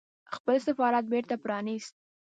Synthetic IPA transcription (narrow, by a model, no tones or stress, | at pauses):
xpəlsafɑɾat̪̚beɾt̪apɾɑnist̪̚